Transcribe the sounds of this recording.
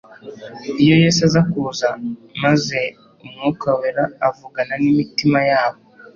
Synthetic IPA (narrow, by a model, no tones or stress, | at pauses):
ijo̞jeːsazakuːzamaze̞ | umŋukaweɾaːvuɡananimitimajaːβo̞